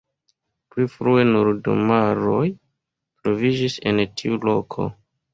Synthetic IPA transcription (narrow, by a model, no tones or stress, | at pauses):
plifɾue̞nuɾdo̰maɾo̞j | tɾo̞vid͡ʒise̞̰ntʰiulo̞kʰo̞̰